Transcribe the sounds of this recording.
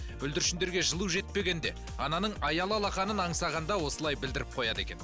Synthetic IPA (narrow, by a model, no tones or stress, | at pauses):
ʏld̪ɪɾʃɪnd̪e̞ɾɡʲe̞ʒəlˠuwʒe̞t̪̚pe̞ɡʲe̞nd̪e̞ | ɑnɑnəɴɑjɑlˠɑlˠɑqɑnənɑɴsɑʁɑnd̪ɑwo̞səlˠɑjbɪld̪ɪɾɪp̚qʰo̞jɑd̪e̞̰kʲe̞n